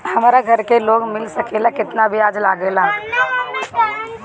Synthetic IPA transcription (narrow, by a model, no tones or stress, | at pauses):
hɐmːɾaɡʱɐɾkeloːɡmɪlsɐkeːlakɪt̪nabʱiaːd͡ʒlaːɡeːla